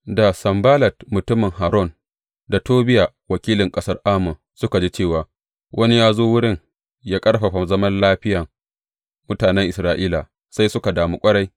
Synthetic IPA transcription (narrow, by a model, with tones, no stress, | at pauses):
da˨sɐ˨mbaː˦lɐ˨tmʊ˨tʊ˦mɪ˨ŋɦaː˨ɾɔ˦˨n | da˨toː˦bɪ˦ja˨ | wɐ˨kʲiː˦lɪ˨ŋkʼɐ˦sɐ˦rʔaː˦mʊ˨ | sʊ˦ka˨d͡ʒi˦t͡ʃeː˦˨waː˨ | wʔɐ˦ni˦jaː˦zoː˦wʊ˦ɽɪ˦˨ŋ | jaː˦kʼɐ˦rɸa˨ɸa˨zɐ˦mɐ˦nlaː˦ɸɪ˦ja˨ | mʊ˦taː˨nɛ˦ŋʔɪ˨sɾaː˦ʔiː˦la˨ | sa˦jsʊ˦ka˨daː˨mu˦kʷʼɐ˦ɽa˦j